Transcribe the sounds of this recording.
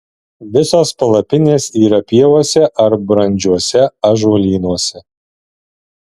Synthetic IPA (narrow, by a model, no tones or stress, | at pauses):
ʋʲɪsoːspɐlˠɐpʲɪnʲeːsiːɾɐpʲiɛʋoɔsʲɛʔɐɾbɾɐnʲd͡ʒʲuɔsʲɛɐʒuːlʲiːnuɔsʲɛ